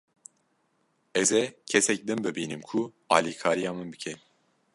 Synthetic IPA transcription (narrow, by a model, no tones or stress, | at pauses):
ɛzɛcʰɛsɛc̚d̪ɨmbɨbiːnɨmkʰu | ɑ̰ːlikʰaːɾijaːmɨnbɨcʰɛn